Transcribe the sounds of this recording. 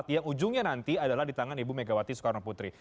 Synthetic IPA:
t̪jaŋud͡ʒʊŋɲanant̪iadalahdit̪aŋanibumeɡawat̪isu̥kaɾnoput̪ɾi

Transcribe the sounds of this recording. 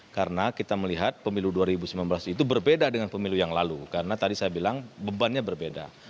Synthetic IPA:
kaɾənakit̪aməliɦat̪̚pəmiluduaɾibusəmlanbəlasit̪̬ubərbedadəŋanpəmilujaŋlalukaɾənat̪adisajabilaŋbəbanɲabərbeda̰

